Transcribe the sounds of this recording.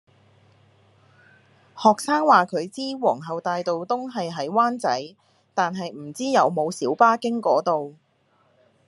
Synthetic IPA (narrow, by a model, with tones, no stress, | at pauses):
hɔː˨k̚saː˥ŋwaː˨kʰɵ˨˧ɥt͡siː˥wɔː˨˩ŋɦɐ˨wt̪aː˨jt̪o˨wt̪ʊ˥ŋɦɐ˨jɦɐ˨˥jwaː˥nt͡sɐ̰˨˥j | t̪aː˨nɦɐ˨jm̩˨˩t͡siː˥jɐ˨˧wmo˨˧wsiː˨˥wpaː˥kɪ˥ŋkɔː˨˥t̪o˨w